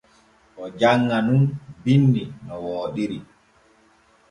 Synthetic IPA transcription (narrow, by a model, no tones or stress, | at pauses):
ʔɔd͡ʒaŋːanunbinːinɔwoːɗiɾi